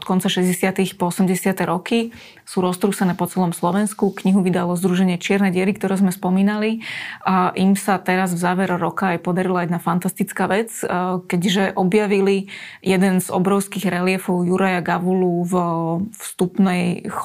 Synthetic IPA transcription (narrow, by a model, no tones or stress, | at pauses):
ɔt̪kɔnt͡saʃɛzɟɛsɪat̪ixpɔɔsɛmɟɛsɪat̪ɛɾɔki | suːɾɔst̪ɾuːsanɛːpɔt͡sɛlɔmslɔʋɛnskukɲiɦuʋid̪alɔzd̪ɾuʒɛɲɪɛt͡ʃɪɛɾnɛɟɪɛɾikt̪ɔɾɛːzmɛspɔmiːnaliaʔimsat̪ɛɾazvzaːʋɛɾɔɾɔkaːjpɔd̪aɾilajɛd̪nafant̪ast̪it͡skaːʋɛt͡skɛɟʒɛʔɔbjaʋilijɛd̪ɛnzɔ̰bɾɔʊskiɣɾɛlɪɛfɔʊjuɾajaɡaʋuluvfst̪upnɛj